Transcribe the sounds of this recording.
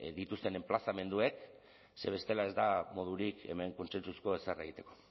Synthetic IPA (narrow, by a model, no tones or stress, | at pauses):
d̪it̪ust̪e̞ne̞mplasame̞nd̪ue̞k | se̞β̞e̞st̪e̞lae̞zd̪amo̞ð̞uɾikḛme̞ŋko̞nse̞nt͡susko̞esare̞ɣit̪eko̞